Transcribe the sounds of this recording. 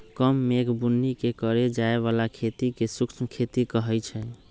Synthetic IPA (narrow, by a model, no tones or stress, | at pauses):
kəmːekbunːikekəɾed͡ʒaeβalakʰet̪ikesuksʰmkʰet̪ikəɦɛjt͡ʃʰɛ